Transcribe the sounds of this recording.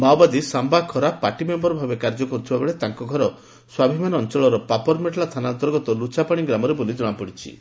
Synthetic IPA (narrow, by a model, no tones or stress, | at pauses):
mawbad̪isambakʰɔɾapaʈimembɔɾɔbʱabekaɾd͡ʒɔkɔɾut̪ʰibabeɭet̪aŋkɔɡʱɔɾɔ | swabʱimanɔnt͡ʃɔɭɔɾɔpapɔɾmeʈlast̪ʰanaɔnt̪ɔɾɡɔt̪ɔlut͡ʃapaɽ̃iɡɾamɔɾebolid͡ʒɔɽ̃apɔɽit͡ʃʰḭ